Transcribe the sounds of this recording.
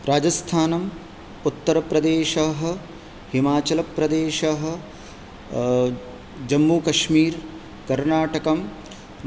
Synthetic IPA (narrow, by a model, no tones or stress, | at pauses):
ɾaːd͡ʒɐst̪ʰaːnɐm | ut̪ːɐɾɐpɾɐd̪eːʃɐɦɐ̆ | himaːt͡ʃɐlɐpɾɐd̪eːʃɐɦɐ̆ | d͡ʒɐmːuːkɐʃmiːɾ | kɐɾnaːʈɐkɐm